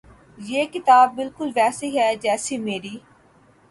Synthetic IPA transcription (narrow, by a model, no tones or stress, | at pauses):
jeːkɪt̪aːbːɪlkʊlʋɛːsiɦɛːd͡ʒɛːsimeːɾiː